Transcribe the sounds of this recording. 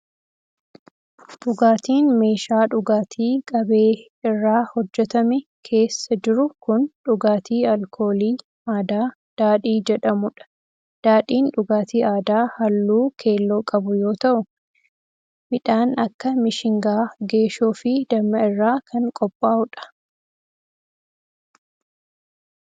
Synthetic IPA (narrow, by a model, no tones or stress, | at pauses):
ᶑʊɡaːt̪iːnme̞ːʃaːᶑʊɡaːt̪ʰiːkʼɐbe̞ː | ɪrːaːhɔd͡ʒːɛt̪ɐmɛkʰe̞ːsːɐd͡ʒɪɾʊkʊnᶑʊɡaːt̪iːɐlkʰo̞ːliː | aːd̪aː | d̪̥aːᶑiːd͡ʒɛᶑɐmʊᶑɐ̥ | d̪̥aːᶑiːnᶑʊɡaːt̪iːʔaːd̪aːhɐlːuːkʰe̞ːlːoːkʼɐbʊjo̞ːt̪ɐʔʊ | mɪᶑaːnɐkːɐmɪʃɪŋɡaːɡe̞ːʃuːfɪd̪ɐmːɐɪrːaːkʰɐŋkʼɔpʼːaːʔʊᶑɐ̥